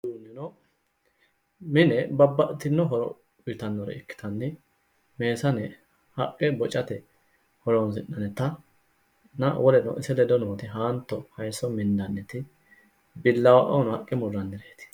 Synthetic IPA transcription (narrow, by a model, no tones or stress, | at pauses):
d̪uːnːɪnɔ | mɪnɛbɐbːɐt̪ɪnːɔɦɔɾɔ̰ | ʊt̪ɐnːɔɾɛ̰ɪkːɪ̥t̪ɐnːɪ | me̞ːsɐnɛ | hɐkʼːɛbɔt͡ʃʼːɐt̪ɛ | hɔɾɔnsɪnːɐnɛt̪ɐ | nɐwɔlɛnɔ̰ʔɪsɛlɛd̪ɔnoːt̪ɪɦaːnt̪ːɔhɐjsɔmɪnd̪ɐnːɛt̪ɪ | bɪlːɐwaʔɐʊnɔhɐkʼːɪmʊrːɐnːɪɾeːt̪ɪ̥